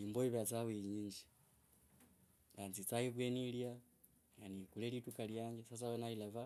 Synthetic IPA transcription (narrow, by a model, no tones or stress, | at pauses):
imboiβat͡sawiɲiɲd͡ʒi̥ | nanzit͡saiβwenilja | janikulelitukaljaŋɡesasawanailava